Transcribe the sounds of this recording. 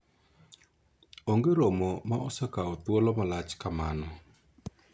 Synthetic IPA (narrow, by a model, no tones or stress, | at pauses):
oŋɡeɾomɔmaɔsɛkaɔt̪wolɔmalat͡ʃkamanɔ